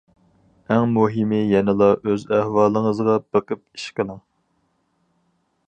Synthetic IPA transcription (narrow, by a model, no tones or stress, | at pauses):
æŋmuɦɪmɪjɛnɨlˠɑʔøzæhwɑːlˠəŋəzʁɑb̥əqəp̚i̥ʃqəlˠɨŋ